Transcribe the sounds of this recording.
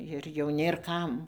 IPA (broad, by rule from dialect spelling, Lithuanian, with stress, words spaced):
ɪr jɛʊ ˈnʲeːr ˈkɐm